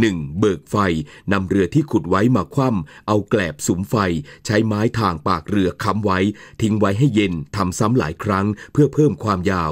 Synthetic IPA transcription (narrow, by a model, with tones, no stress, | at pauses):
nɯ˨˩ŋbɤː˨˩k̚fa˧jna˧mɾɯ˧ɐt̪ʰiː˥˩kʰu˨˩t̪̚wa˦˥jmaː˧kʰwa˥˩mʔa˧wklɛː˨˩p̚su˩˦mfa˧jt͡ɕʰa˦˥jmaː˦˥jt̪ʰaː˧˩ŋpaː˨˩k̚ɾɯ˧ɐkʰa˦˥mwa˦˥jt̪ʰi˦˥ŋwa˦˥jɦa˥˩jːe˧nt̪ʰa˧msa˦˥mla̰ː˩˦jkʰɾa˦˥ŋpʰɯ˥˩ɐpʰɤː˥˩mkʰwaː˧mjaː˧˩w